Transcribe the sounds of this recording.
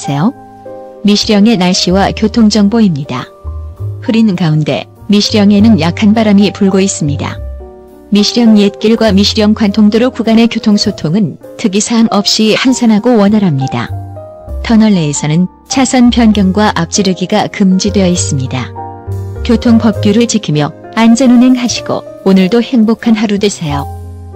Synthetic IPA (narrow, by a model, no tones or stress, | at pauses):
sʰe̞jo | miɕʰiɾjʌŋe̞naɭɕ͈iwakjotʰoŋd͡ʑʌŋboimɲida̰ | ɸuɾinkaunde̞̰ | miɕʰiɾjʌŋe̞nɯnjakʰanbaɾamipuɭɡois͈ɯmɲida̰ | miɕʰiɾjʌŋjet̚k͈iɭɡwamiɕʰiɾjʌŋkwantʰoŋdɯɾokuɡane̞kjotʰoŋsʰotʰoŋɯntʰɯkisʰaŋʔʌp̚ɕ͈ihansʰanɦaɡowʌnɦaɾɦamɲida̰ | tʰʌnʌɭːeːsʰʌnɯn | t͡ɕʰasʰʌnpjʌnɡjʌŋɡwaʔap̚t͡ɕ͈iɾɯɡiɡakɯmd͡ʑidwe̞jʌis͈ɯmɲida̰ | kjotʰoŋpʌp̚k͈juɾɯɭt͡ɕikʰimjʌ | and͡ʑʌnɯnɦe̞ŋɦaɕʰi̥ɡo̰ | onɯɭdohe̞ŋbokʰanɦaɾudesʰejo